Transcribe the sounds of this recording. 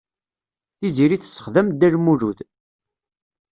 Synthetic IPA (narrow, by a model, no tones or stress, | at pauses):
θiziɾiθə̥sːə̥χðæm̚d̪ælmuɾuð